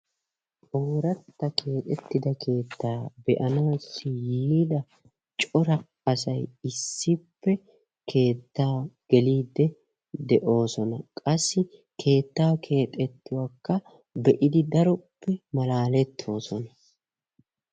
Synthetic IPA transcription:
oːɾɐt̪ːɐkʰe̞ːt̪ʼɛt̪ːɪd̪ɐkʰe̞ːt̪ːaːbɛʔɐnaːsːɪjiːd̪ɐ | t͡ʃʼɔɾɐ | ɐsɐjɪsːɪpːɛ | kʰe̞ːt̪ːaːɡ̥ɛliːd̪ːɛ | d̪ɛʔo̞ːsɔnɐkʼɐsːɪkʰe̞ːt̪ːaːkʰe̞ːt̪ʼɛt̪ːʊwaːkːɐ | bɛʔɪd̪ɪd̪ɐɾɔpːɛmɐlaːlɛt̪ʰːo̞ːsɔnɐ

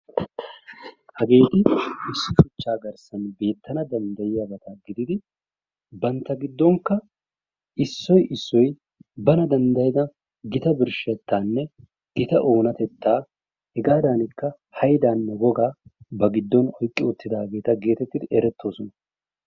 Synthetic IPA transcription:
hɐɡe̞ːt̪ɪɪsːɪsʊt͡ʃːaːɡɐɾsɐnbe̞ːt̪ʰːɐnɐd̪ɐnd̪ɐjɪjɐɡɐt̪aɡɪd̪ɪd̪ɪ | bɐnt̪ːɐɡɪd̪ːɔŋkːɐ | ʔɪsːɔjʔɪsːɔj | bɐnɐd̪ɐnd̪ɐjɪd̪ɐ | ɡɪt̪ɐbɪɾʃɛt̪ːaːnːɛ | ɡ̥ɪt̪ɐʔo̞ːnɐt̪ɛt̪ːaː | hɛɡaːd̪anɪkːɐ | hɐjd̪aːnːɛɡɔɡaːbɐɡɪd̪ːɔnɔjkʼːɪʊt̪ːɪd̪ɐɐɡe̞ːt̪ɐɡe̞ːt̪ɛt̪ːɪd̪ɪʔɛɾɛt̪ʰːo̞ːsɔnɐ

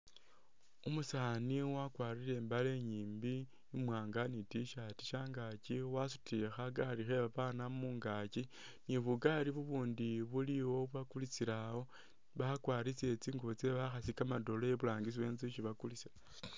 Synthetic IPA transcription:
umusaːniwakwaɾile̞ːmbale̞ɲiːmbiː | mwaːŋɡanitiʃati̥ʃaːŋɡaciwasutʰiexaɡaɾixe̞βaβanamuːŋɡaci | niβuɡaɾiβuβuːndiβuliwo̞βwakulit͡siɾaho̞ | βakwaːɾit͡sie̞t͡siːŋɡoβot͡seβaxasikamado̞lojeβulaːŋɡis̬iwe̞ːnziʃiβakulisa

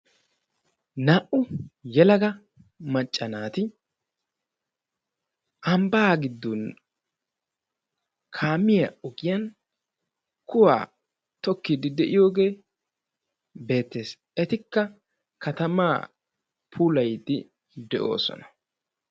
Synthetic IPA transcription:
naːʔʊjɛlɐɡɐ | mɐt͡ʃʼːɐnaːt̪ɪ | ʔɐmbaɡɪd̪ːun | kʰaːmɪjɐʊɡɪjɐn | kʊwa̰ː | t̪ɔkːid̪ɪd̪ɛʔɪjo̞ːɡe̞ː | be̞ːt̪ːe̞ːs | ɛt̪ɪkːɐ | kɐt̪ɐma̰ː | pʰuːlɐjd̪ɪ | d̪ɛʔo̞̰ːsɔ̰nɐ̥

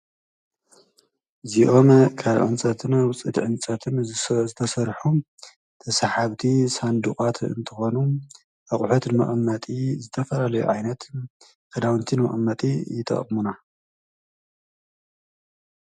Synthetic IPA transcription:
ziʔo̞mkʰaβʕɨ̰nt͡sʼɐt̪ʰɨnwʊt͡sʼɨt̪ʕɨnt͡sʼɐt̪ʰɨnzzɨt̪ʰɐsɐɾħu | t̪ʰɐsħaβt̪ʰisand̪uχʼat̪ɨ̰nt̪ʰɨxonu | ʔɐχʼħut̪nmɐ̰ʔʼmːɐt̪ʼizɨt̪ʰɐfɐlalɐjṵʕajnɐt̪ | kʰɐd̪awnt̪ʰinmɐ̰χʼɐmːɐt̪ʼijɪt̪ʰʼɐ̰χʼmuna

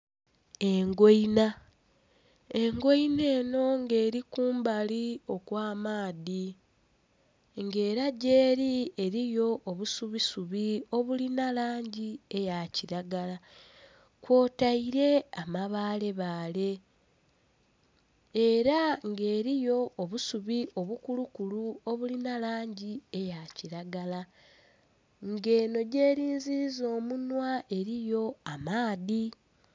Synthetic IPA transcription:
e̞ŋɡoina | e̞ŋɡoine̞ːno̞ŋɡe̞ːɾikuːmbalio̞kwaːmaːði | ŋɡe̞ːɾaɟe̞ːɾieɾijo̞ʔːβusuβisuβio̞βulinalaːɲɟie̞jaciɾaɡala | kwo̞ːtaiɾe̞amaβaːle̞βaːle̞ | eɾaŋɡe̞ːɾijo̞ːβusuβiʔo̞βukulukuluo̞βulinalaːɲɟie̞jaciɾaɡala | ŋɡe̞ːno̞ɟe̞ːɾiːnzizo̞ːmunwae̞ɾijo̞amaːði

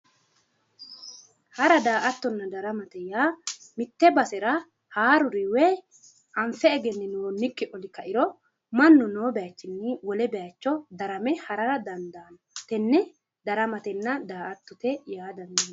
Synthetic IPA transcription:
hɐɾɐd̪aːʔɐt̪ːɔnːɐd̪ɐɾɐmɐt̪ɛjaːmɪt̪ːɛbɐsɛɾɐ | haːɾʊɾiwɛ | ʔɐɱfɛːɡɛnːɛnʊwɔnːɪkːɪʔɔlɪkːɐʔɪɾɔ | mɐnːɔnoːbɛjɐt͡ʃːɪnːɪwɔlɛbɛjat͡ʃːɔd̪ɐɾɐmɛhɐɾɐɾɐd̪ɐnd̪ɐn | t̪ɛnːɛ | d̪ɐɾɐmɐt̪ɛnːɐd̪aːʔɐt̪ːʊt̪ɛjaːd̪ɐnd̪ɐ

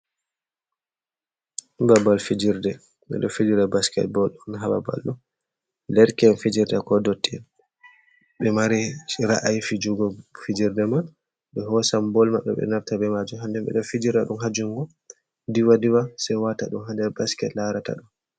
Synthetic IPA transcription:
babalfid͡ʒiɾdɛ | ɓɛ̰ɗɔ̰fid͡ʒiɾɛbaskɛ̰t̚bɔlɗunɦaba̰ba̰lːɔ | lɛɾkɛnfid͡ʒiɾdakɔdotːin | ɓɛmaɾiɾa̰ʔajfid͡ʒuɡɔfid͡ʒiɾdɛman | ɓɛɦɔsambɔlmaɗɔ̰ɓɛ̰naftaɓɛmad͡ʒuɦandɛmbɛ̰ɗɔfid͡ʒiɾaɗumɦad͡ʒuŋɡɔ | diwadiwasɛjwataɗumhandɛɾbaskɛtlaɾata̰ɗɔ

